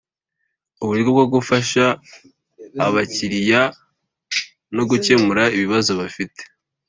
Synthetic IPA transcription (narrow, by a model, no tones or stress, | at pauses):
uβuɾiɾɡoβɡoɡufaʃa | βaciɾija | no̞ɡuce̞muɾaiβiβazo̞βafite̥